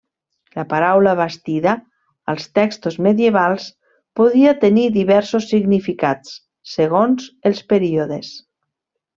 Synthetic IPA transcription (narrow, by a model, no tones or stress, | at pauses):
lapaɾawlaβast̪iðaː | lˠst̪ɛkst̪ozmeðjeβ̞alˠs | poðiat̪eniðiβɛɾsosːiɣnifikat͡sː | eɣ̞onzelˠspeɾioðes